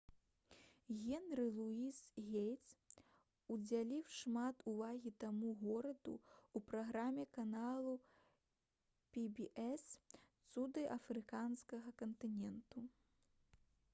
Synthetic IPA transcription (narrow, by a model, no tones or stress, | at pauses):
ɣʲɛnɾɨlˠuisɣʲejt̪s | ud͡zʲalʲiwʂmat̪uvaɣʲit̪amuɣɔɾɐd̪ṵupɾaɣɾamʲɛkanalˠu | pʲibʲiʔɛst̪sud̪ɨʔɐfɾɨkanskɐɣɐkɐnt̪ɨnʲɛnt̪u